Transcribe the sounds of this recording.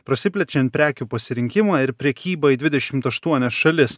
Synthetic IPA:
pɾɐsʲɪpʲlʲɛt͡ʃʲɛnpʲɾʲæːkʲuːpɐsʲɪɾʲɪŋʲkʲɪmɑɪɾpʲɾʲɛkʲiːbɐd̪ʲʋʲɪd̪ʲɛʃʲɪmt̪ɐʃt̪uɔnʲɛsʃɐlʲɪs

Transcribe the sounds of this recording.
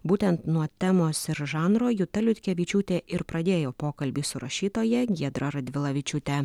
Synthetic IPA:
buːt̪ʲɛnt̪nuɔt̪ʲɛmoːsɪɾʒɑːnɾoːjʊt̪ɐlʲʊt̪ʲkʲɛʋʲiːt͡ʃʲuːt̪ʲeːʔɪɾpɾɐd̪ʲeːjoːpoːkɐlʲbʲiːsʊɾɐʃʲiːt̪oːjɛɡʲiɛd̪ɾɐɾɐd̪ʲʋʲɪlˠɐʋʲit͡ʃʲʊt̪ʲɛ

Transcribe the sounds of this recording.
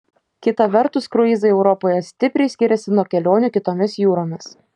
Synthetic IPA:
kʲɪt̪ɐʋʲɛɾt̪ʊskɾʊɪzɐɪɛʊɾɔpoːjɛsʲt̪ʲɪpʲɾʲɛɪsʲkʲɪɾʲɛsʲɪnuɔkʲɛlʲoːnʲʊˑkʲɪt̪oːmʲɪsjuːɾoːmʲɪs

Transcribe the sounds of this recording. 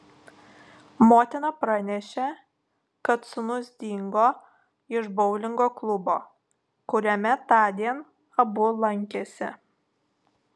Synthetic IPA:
moːt̪ʲɪnɐpɾɐnʲɛʃʲe | kɐt̪sʊnʊzʲd̪ʲiːŋɡoː | ɪʃbɔʊlʲɪŋɡoːklˠʊbo̰ː | kʊɾʲɛmʲɛt̪ɑːd̪ʲiɛn | ɐbʊlˠɐŋʲkʲesʲɪ̰

